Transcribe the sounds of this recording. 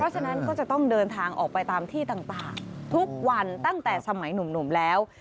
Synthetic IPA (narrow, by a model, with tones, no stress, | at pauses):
pʰɾɔ˦˥t͡ɕʰa˧na˦˥nkɔː˥˩t͡ɕa˨˩t̪ɔ˥˩ŋdɤː˧nt̪ʰaː˧ŋʔɔː˨˩k̚pa˧jt̪aː˧mt̪ʰiː˥˩t̪aː˨˩ŋt̪aː˨˩ŋt̪ʰu˦˥k̚wa˧nt̪a˥˩ŋt̪ɛː˨˩sa˧ma˩˦jnu˨˩˦mnu˨˩˦mlɛː˦˥w